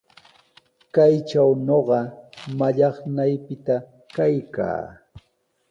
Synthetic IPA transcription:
kajt͡ʃawnoɢɑmaʎɑχnajpɪt̪a | kajka̰ː

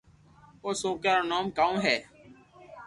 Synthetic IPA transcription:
oːsoːkaːɾoːnoːmkaũːɦɛː

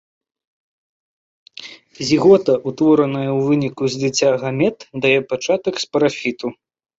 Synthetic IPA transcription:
zʲiɣɔt̪ɐʔut̪vɔɾɐnɐjɐwvɨnʲikuzʲd̪ɨt͡sʲːaɣamʲɛt̪d̪ajɛpat͡ʂat̪ɐkspɐɾafʲit̪u

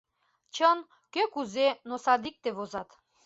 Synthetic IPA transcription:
t͡ɕən | køkuzenosɑd̪ik̚t̪eβozɑt̪

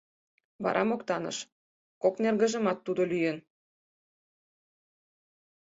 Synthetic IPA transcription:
βɑ̰ɾʔɑmokt̪ɑnə̰ʃ | koknerɣə̆ʒə̆mɑt̪ːud̪olyjən

